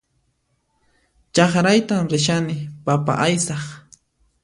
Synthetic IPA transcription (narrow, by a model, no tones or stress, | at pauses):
t͡ʃɑχɾajt̪amɾɪʃ̬anɪpapa̰ʔajsɑχ